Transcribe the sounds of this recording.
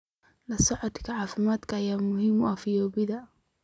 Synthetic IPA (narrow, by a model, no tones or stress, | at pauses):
lɐsɔʕɔt̪kʰɐʕɑːfɪmaːd̪kʰɐːjaːmʊhiːmʊafɪjɔːbɪðɐ